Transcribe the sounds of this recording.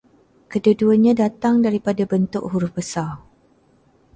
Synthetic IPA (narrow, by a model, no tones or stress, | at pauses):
kədəduəɲãdat̪aŋdaɾipadabənt̪ʊʔɦuɾʊhbəsar